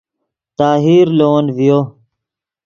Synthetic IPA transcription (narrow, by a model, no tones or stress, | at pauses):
t̪aːɦiːɾloːnvijoː